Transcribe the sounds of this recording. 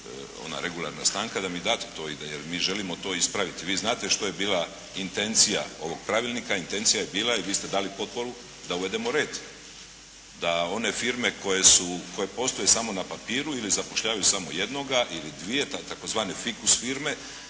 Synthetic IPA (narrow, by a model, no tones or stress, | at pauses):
o̰na̰ɾe̞ɡulˠa̰ɾnast̪aːŋkad̪amid̪aːt̪e̥t̪o̞id̪jeɾmiːʒe̞limo̞t̪o̞ːispɾaʋit̪iʋiːznaːt̪e̞ʃt̪o̞je̞biːla | int̪e̞nt̪sija̰o̞̰ʋo̞ɡ̥̚pɾaʋilˠnikaint̪e̞nt̪sijajebiːlˠaiʋiːst̪e̞d̪aːlipo̞t̪̚po̞ɾu | d̪auʋe̞d̪e̞mo̞ɾeːd̪ | d̪ao̞ne̞fiɾme̞kʰo̞je̞suko̞je̞po̞st̪oje̞samo̞napapiːɾuilizapo̞ʃʎaːʋajusamo̞je̞d̪no̞ɡaʔilid̪ʋije̞t̪at̪ako̞zʋaːne̞fikusfiɾme̞